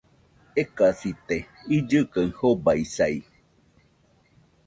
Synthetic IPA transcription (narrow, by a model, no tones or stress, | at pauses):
ekasit̪e | id͡ʒɨkaɨ̃hobaisai